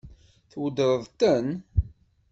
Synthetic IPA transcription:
θwəd̪əɾəðˤt̪ən

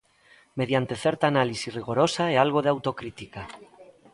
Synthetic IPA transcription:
me̞ð̞jant̪e̞θeɾt̪aːnalisizriɣ̞oɾo̞saealɣ̞o̞ð̞eawt̪o̞kɾit̪ika

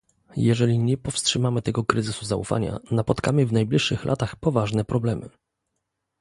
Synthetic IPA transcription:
jɛʐɛlʲiɲɛpɔfstʂɘmamɘt̪ɛɡɔkɾɘzɘsuzaṵfa̰ɲa̰napɔt̪kamɘvnajblʲiʂːɘxlʔa̰t̪axpɔvaʐnɛpɾɔblɛmɘ̰

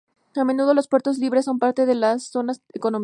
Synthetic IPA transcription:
ame̞nuðo̞lo̞spweɾt̪o̞zliβ̞ɾesːo̞mpaɾt̪e̞ðe̞lasːo̞naseko̞nom

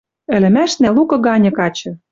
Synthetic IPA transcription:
ɘ̆lɘ̆mæʃnælukɤ̆ɣɑnʲɤ̆kɑt͡ɕɤ̆

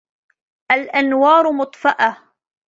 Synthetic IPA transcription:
ʔalʔanwɑːɾˤʊmʊt̪ˤfɑʔa

